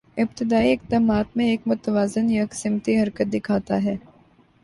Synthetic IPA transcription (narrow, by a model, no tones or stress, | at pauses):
ɪb̚t̪ɪd̪aːiɪk̚d̪aːmaːt̪mẽeːkmʊt̪əʋaːzɪnjaksɪmt̪iɦɐɾkət̪̚d̪ɪkʰaːt̪a̰ɦɛː